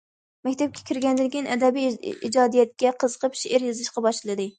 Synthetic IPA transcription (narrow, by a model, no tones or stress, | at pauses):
mɛkʲt̪ʰɛp̚kʲʰɛ̥kʲʰiɾɡʲɛnd̪ɪɪkʲinɛ̰d̪ɛbijḭd͡ʒɑːd̪ijɛt̪̚kʲɛqʰəzəqʰəpʃeʔɪɾjɨzɨʃqɑbɑʃlɨlˠɨd̪ɨ